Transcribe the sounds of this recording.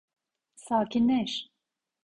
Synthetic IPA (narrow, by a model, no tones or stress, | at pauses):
saːkʲinːɛʃ